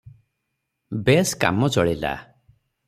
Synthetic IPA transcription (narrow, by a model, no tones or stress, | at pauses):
beska̰mɔt͡ʃɔɭila̰